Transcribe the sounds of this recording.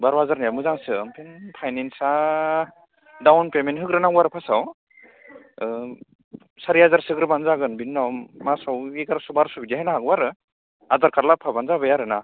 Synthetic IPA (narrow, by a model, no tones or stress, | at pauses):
baɾwazaɾnajamɯzaŋsɯmpʰenpʰajnensa | dawnpemenɦɯɡɾɯnaɡwaɾɯpʰasaw | saɾiazaɾsɯɡɾɯbanzaɡɯnbinːawmasawiɡaɾsubaɾsubid͡ʒaɦajnaɦakwaɾɯ | azaɾkʰaɾlapʰabanzabajaɾɯna